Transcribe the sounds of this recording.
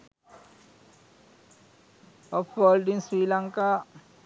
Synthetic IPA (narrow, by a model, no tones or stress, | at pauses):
ɔpʋoːlɖinsɾiːlaŋka